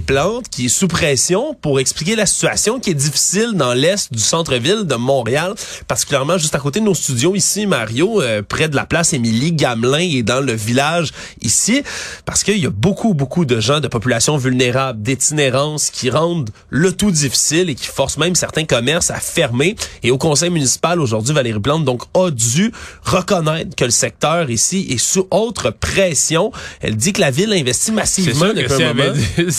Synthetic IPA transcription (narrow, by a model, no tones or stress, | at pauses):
plɑ̃ːt̪kʲiɛsupχɛsjɔ̃puʁɛksplik̬ʲelasi̥t͡sya̰sjɔ̃kʲiɛd͡z̪ifi̥sɪld̪ɑ̃lɛst̪d̪ysɑ̃t̪χəvɪld̪əmɔ̃ʁeal | paʁt̪i̥kʲyljɛʁmɑ̃ʒɨst̪akoːt̪̬ed̪ənost̪yd͡zjoisimaʁjoøpχɛd̪əla̰plasemiliɡʲamlɛ̃ed̪ɑ̃ləvilaʒ | isipaʁsə̥kəiljabokʰubokud̪əʒɑ̃d̪əpɔpylasjɔ̃vylneʁabld̪et̪ineʁɑ̃skʲiʁɑ̃d̪ | lət̪ud̪ifi̥sɪlekʲi̥fɔʁsmɛ̃msɛʁt̪ɛ̃kɔmɛʁsa̰fɛʁmeeokɔ̃sɛjmynisi̥paloʒuʁd̪zɥivaleʁiplɑ̃d̪ɔ̃kɔd͡z̪yʁəkɔnɛɪt̪χkələsɛk̚t̪œːʁisiʔesuʔɔʊt̪χəpχɛsjɔ̃ɛ̰ld̪ikəlavɪlɛ̃vɛst̪imasivmɑ̃d̪əpɥɛ̃mɔmã